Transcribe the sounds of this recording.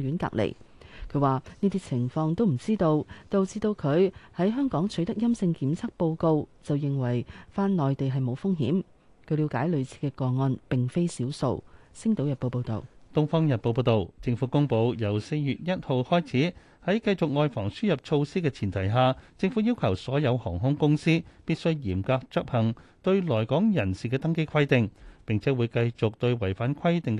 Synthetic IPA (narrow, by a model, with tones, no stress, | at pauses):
jyː˨˥nka̰ː˧k̚lḛ˨˩j | kʰɵ˨˧ɥwaː˨niː˥t̪iː˥t͡sʰɪ˨˩ŋfɔː˧ŋt̪o˥wm̩˨˩t͡siː˥t̪o˧wt̪o˨wt͡siː˧t̪o˧wkʰɵ˨˧ɥhɐ˨˥jɦœː˥ŋkɔː˨˥ŋt͡ʃʰɵ˨˥t̪ɐ˥k̚jɐ˥msɪ˧ŋkiː˨˥mt͡sʰɐ˥k̚po˧wko˧wt͡sɐ˨wjɪ˨ŋwɐ˨˩jfaː˥nlɔː˨jt̪e˨jɦɐ˨jmo˨˧wfʊ˥ŋɦḭː˨˥m | kʰɵ˨˧ɥli˨˧wkaː˨˥jlɵ˨˧ɥt͡sʰiː˧kɛː˧kɔː˧ŋɔː˧npɪ˨ŋfe˥jsiː˨˥wso̰˧wsɪ˥ŋt̪o˨˥wjɐ˨t̚po˧wpo˧wt̪o̰˨wt̪ʊ˥ŋfɔː˥ŋjɐ˨t̚po˧wp̬o˧wt̪o˨wt͡sɪ˧ŋfuː˨˥kʊ˥ŋpo˧wjɐ˨˩wse˧jjyː˨t̚jɐ˥t̚ho˨˧whɔː˥jt͡sʰiː˨˥ | hɐ˨˥jkɐ˧jt͡sʊ˨k̚ŋɔː˨jfɔː˨˩ŋsyː˥jɐ˨p̚t͡ʃʰo˧wsiː˥kɛː˧t͡sʰiː˨˩nt̪ʰɐ˨˩jɦaː˨t͡sɪ˧ŋfuː˨˥jiː˥wkʰɐ˨˩wsɔː˨˥jɐ˨˧whɔː˨˩ŋɦʊ˥ŋkʊ˥ŋsiː˥piː˥t̚sɵ˥ɥjiː˨˩mkaː˧k̚t͡sɵ˥p̚hɐ˨˩ŋt̪ɵ˧ɥlɔː˨˩jkɔː˨˥ŋjɐ˨˩nsiː˨kɛː˧t̪ɐ˥ŋke˥jkʰɐ˥jt̪ɪ˨ŋpɪ˨ŋt͡sʰɛː˨˥wuː˨˧jkɐ˧jt͡sʊ˨k̚t̪ɵ˧ɥwɐ˨˩jfaː˨˥nkʰɐ˥jt̪ɪ˨ŋ